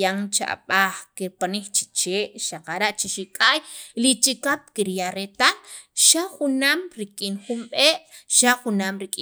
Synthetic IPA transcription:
aŋt͡ʃa̰ʔɓaχkiɾpanikt͡ʃi̥t͡ʃeːʔʃaqaɾaʔt͡ʃiʃikʼajlit͡ʃikap̚kiɾjaɾet̪alʃaχunaːmɾikʼiːnχumɓeːʔʃaχunaːmɾikʼi

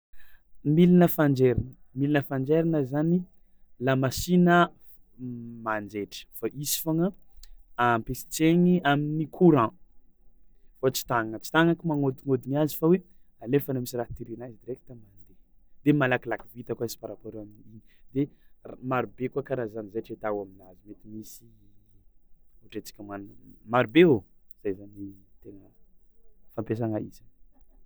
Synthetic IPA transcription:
milinəfand͡ʒeɾinəmilinəfand͡ʒeɾinəzani | lamasinə | mand͡ʒeʈ͡ʂə̥faʔisi̥faŋə | ampesi̥t͡seŋiaminikʰuɾã | fat͡si̥t̪aŋət͡ʃi̥t̪aŋakimaŋod̪iŋod̪iniazi̥fawe | alefanamisiraɦt̪iɾinaizid̪iɾeki̥t̪ammand̪e | d̪emalakilakivit̪akaisi̥paɾapoɾeamiiɲid̪emaɾubekuakaɾazanizaʈ͡ʂet̪awaminazimet̪imisi | uʈ͡ʂet͡si̥kʲəmanmaɾubeoz̥ajzanit̪eŋə | fampes̬aŋaḭz̥a

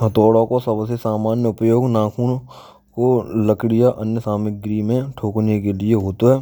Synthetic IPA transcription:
ɦət̪oːɽãkosəbsesaːmaːnjəʊpjoːɡnãːkʰuːn | koləkɽijaʔənjəsaːmɪɡɾimẽʈʰoːknekelɪeɦoːt̪oɦɛː

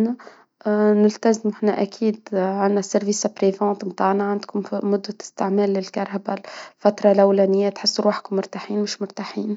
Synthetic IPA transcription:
næ | nɪlt̪azmħnæʔækʰiːd̪ʕanːæsɪɾviːsapɾevɑ̃ːt̪mt̪aːʕnaʕand̪kʊmːʊd̪ːaɪ̥st̪ɪʕmɛːlːɪlkɑɾˤhabalfæt̪ɾˤɑlæwlɛnɪjːat̪ħɪsːɾuħkʊmːʊɾt̪aħiːnmɪʃmʊɾt̪aħiːn

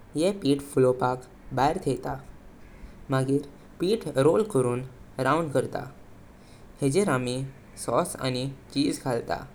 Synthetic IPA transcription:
jɛpiːʈfulopak | bajɾt̪ʰet̪a | maɡiːɾ | piːʈɾolkəɾuːnɾauɳɖkəɾt̪a̰ | hed͡ʑeɾami | sɔsa̰ñit͡ɕiːd͡zɡʱalt̪a̰

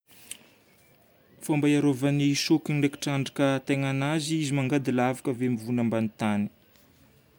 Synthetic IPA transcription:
fambajaɾovanisukinleki̥ʈ͡ʂaɳɖ͡ʐakət̪eŋanaziizimaŋɡad̪ilavḁkəvemivunambanit̪ani̥

